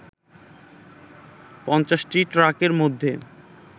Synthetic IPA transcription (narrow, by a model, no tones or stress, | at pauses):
pɔnt͡ɕaʃʈiʈɾakeɾmod̪ʱːe